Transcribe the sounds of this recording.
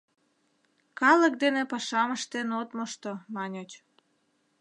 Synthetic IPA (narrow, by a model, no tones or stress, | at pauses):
kɑlək̚d̪enepɑʃɑməʃt̪enot̪moʃt̪omɑnʲot͡ɕ